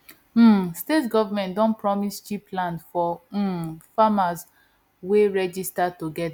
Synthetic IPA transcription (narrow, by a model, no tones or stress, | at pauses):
m̩stetɡɔvamɛ̃ntdɔ̃npɹɔmist͡ʃiplãndfɔ | famaz | weɹɛd͡ʒistatoɡɛda